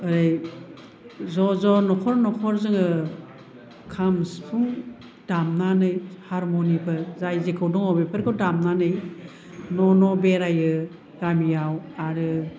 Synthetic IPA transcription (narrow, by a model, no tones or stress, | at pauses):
ɯɾej | zɔzɔnɔkʰɔɾnɔkʰɔɾzɯŋɯ | kʰamspʰuŋ | d̥amnanɯjhaɾmonipʰɯɾzajzekʰɯwdɔŋɔbepʰɯɾkʰɯwdamnanɯj | nɔnɔbeɾajɯ | ɾamijawaɾɯ